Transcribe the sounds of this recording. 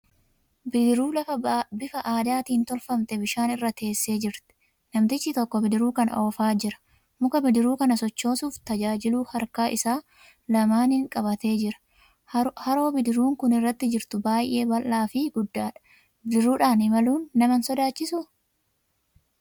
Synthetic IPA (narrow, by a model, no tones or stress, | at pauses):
bɪɪɾuːlɐɐbɪfɐʔaːd̪aːt̪iːnt̪ɔlfɐmt̪ɛbɪʃaːnɪrːɐt̪e̞ːsːe̞ːd͡ʒɪɾt̪ɛ̥ | nɐmt̪ɪt͡ʃːɪt̪ɔkːɔbɪd̪ɪɾuːkɐno̞ːfaːd͡ʒɪɾɐ̥ | mʊkɐbɪd̪ɪɾuːkɐnɐsɔt͡ʃːo̞ːsuːft̪ɐd͡ʒaːd͡ʒɪluːhɐɾkaːʔɪsaː | lɐmaːnɪŋkʼɐbɐt̪e̞ːd͡ʒɪɾɐ̥ | hɐɾo̞ːbɪd̪ɪɾuːŋkʊnɪrːɐt̪ːɪd͡ʒɪɾt̪ʊbaːjʔe̞ːbɐlːaːfɪɡʊd̪ːaːᶑɐ̥ | bɪd̪ɪɾuːᶑaːnɪmɐluːnːɐmɐnsɔd̪aːt͡ʃːɪsʊ